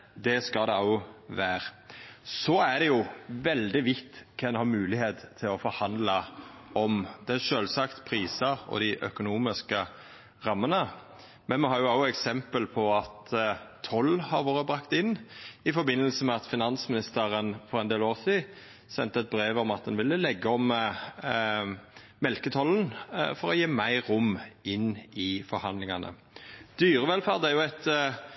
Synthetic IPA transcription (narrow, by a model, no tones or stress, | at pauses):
d̪ɛskɑd̪ɛɑʊʋæːɾsɔæɖɛjʊʋɛld̪ɪʋɪt̪ːkʰɛnhɑɾmʉːlɪheːt̪ʰːɪlɔfɔɾhɑnd̪ləɔmd̪ɛʃøːlsɑkt̪pʰɾiːsəɾɔ̰d̪ɪʔœ̰kʊnuːmɪskə | ɾɑmːənə | mɛnmɛɦɑːɾjʊɑʊʊɛksɛmpəlpʰɔɑt̪ʰː | ɔlːhɑɾʋoːʁɾəbʁɑkt̪ɪnːɪfɔɾbɪnːəlsəmɛɑt̪fɪnɑnsmɪnɪst̪əʁənfɔʁɛnd̪eːloːʁsiː | sɛnt̪əɛt̪̚bɾeːʋɔmɑt̪̚d̪ɛnʋɪlːəlɛɡːəɔm | mɛlkət̪ʰɔlən̩fɔɾɔjeːmæɪɾʊmɪnːɪfɔɾhɑnd̪lɪŋɑnə̰ | d̪̥yːʁəʋɛlfæːʁd̪æʁjʊæt̪